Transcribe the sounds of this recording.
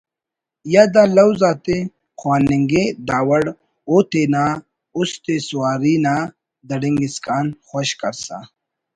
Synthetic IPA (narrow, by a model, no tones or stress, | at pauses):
jad̪alɐwzaːt̪e | xwaːniŋɡed̪aːwɐɽ | ot̪ena | ʊst̪esuwaːɾina | d̪ɐɖiŋɡiskaːnxoɕkɐɾsa̰